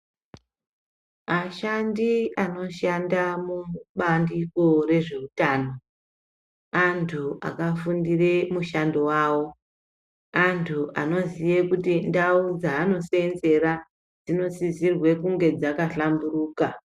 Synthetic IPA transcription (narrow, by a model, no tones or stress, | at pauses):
aʃandiano̞ʃandamuɓandiko̞re̞ʐe̞utaːno̞ | antʰuʔa̰kafundire̞muʃandowaːwo̞ | antʰuʔano̞zijekutindaud͡zaːno̞se̞nze̞ɾa | d͡zino̞sizirwe̞kuŋɡe̞d͡zakaɬamburuːka